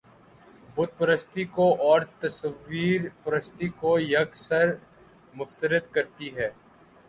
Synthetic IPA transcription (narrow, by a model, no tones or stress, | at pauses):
bʊd̪̚pɐɾəst̪ikoʔɔːɾt̪ɐsəʋːiːɾpɐɾəst̪ikojɐɡsəɾ | mʊst̪əɾəd̪kɐɾt̪iɦɛː